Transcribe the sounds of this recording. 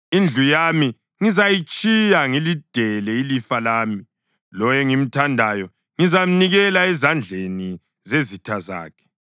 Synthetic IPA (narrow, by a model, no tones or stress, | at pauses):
ind͡ɮʱujami | ŋizajit͡ʃʼijaŋilid̥ʱɛlɛilifalaːmi | lɔjɛŋim̩tʰandʱajɔ | ŋizam̩niɣɛlaɛzand͡ɮʱeni | zezitʰaza̰ːkʰɛ̥